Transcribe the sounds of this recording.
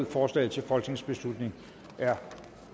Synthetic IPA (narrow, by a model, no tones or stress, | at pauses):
ð̩̰ˠfɒːslɛ̰ːð̩ˠt͡sʰe̝lfɒ̽lɡ̥ne̝ŋsb̥e̝slud̥ne̝ŋ | ʔæɐ